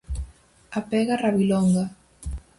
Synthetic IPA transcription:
apɛɣaraβilɔŋɡa

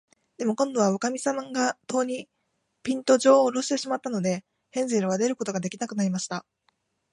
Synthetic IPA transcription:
d̪̥e̞mo̞kõ̞nd̪o̞β̞aokamʲisamaŋɡat̪o̞ːɲ̟i | pʲĩnt̪o̞ʑo̞ːɾo̞ɕi̥t̪e̞ɕimat̪ːano̞d̪e̞ | hẽ̞nziɾɯ̟β̞ad̪e̞ɾɯ̟ko̞t̪o̞ɡad̪e̞kʲinakɯ̟naɾʲimaɕi̥t̪a

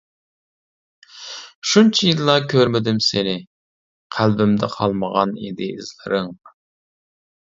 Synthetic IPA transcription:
ʃunt͡ʃʰijilˠːɑkʲʰøɾmɪd̪ɪmsɪnɪ | qʰælbɪmd̪ɛqʰɑlˠməʁɑnḭd̪ɪːzlɨ̰ɾɨŋ

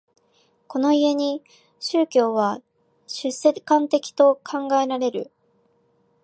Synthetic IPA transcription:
ko̞no̞ie̞ɲ̟i | ɕɨːkʲo̞ːβa | ɕɨsːe̞kãnt̪e̞kʲi̥t̪o̞kʰãŋɡaeɾaɾe̞ɾɯ̟̰

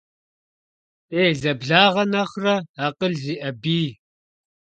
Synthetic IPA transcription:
eːɮɐbɮaːʁɐnɐχrɐaːqəɮziːʔɐbiː

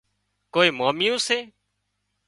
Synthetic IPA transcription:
koːiːmaːmijõːseː

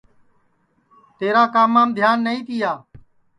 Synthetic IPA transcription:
t̪eːɾaːkaːmaːmd̪ʱjaːnːəĩːt̪ɪjaː

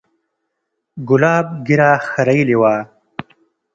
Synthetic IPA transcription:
ɡʊlɑːb̚ɡɪɾaxaɾajiliwaː

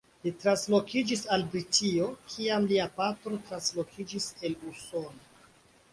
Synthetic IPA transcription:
litɾanslo̞kid͡ʒisalbɾitʰio̞kʰiamliapatɾo̞tɾanslo̞kʰid͡ʒise̞luso̞no

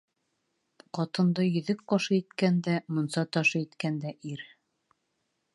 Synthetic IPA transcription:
qɒt̪ɤ̆nd̪ɤjɵ̆ðɘk̚qɑʃɤit̪kænd̪æmŏnsɑt̪ɑʃɤit̪kænd̪æʔiɾ

